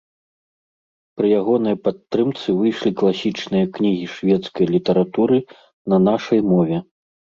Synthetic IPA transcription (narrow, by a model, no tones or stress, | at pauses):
pɾɨjaɣɔn̪ɐjpat̪ːɾɨmt̪sɨvɨjʂlʲiklˠasʲit͡ʂnɨjɐknʲiɣʲiʂvʲɛt̪skɐjlʲit̪ɐɾat̪uɾɨ | nɐnaʂɐjmɔvʲɛ